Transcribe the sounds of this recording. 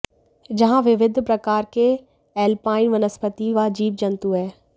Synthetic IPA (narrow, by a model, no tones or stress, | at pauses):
d͡ʑɐɦãʋɪʋɪd̪ʱpɾɐkaːɾkʰe | ɛːlpaːɪnʋɐnəspət̪iʋaːd͡ʑiːb̚d͡ʒɐ̃nt̪uɦɛː